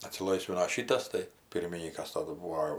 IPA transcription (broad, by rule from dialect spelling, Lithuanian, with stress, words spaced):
ɐtʲsʲɪˈlˠɐɪsʲʋʲɪnoː ˈʃʲiːtɐs tɐɪ ˈpʲɪrʲmʲɪnʲiːkɐs ˈtɑːdʊ ˈbuːʋoː